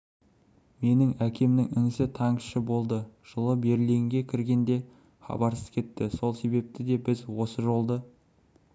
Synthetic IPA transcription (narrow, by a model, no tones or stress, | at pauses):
me̞nɪŋækʲe̞mnɪŋɪŋɪsɪt̪ʰɑŋʃəbo̞lˠd̪əʒ̥əlˠəbe̞ɾleɪŋɡʲe̞kʲʰɪɾɡʲe̞nd̪e̞ | χɑ̰bɑɾsəz̥kʲʰe̞t̪ːɪso̞lˠse̞be̞p̚t̪ɪd̪e̞bɪzwo̞səʒo̞lˠd̪ə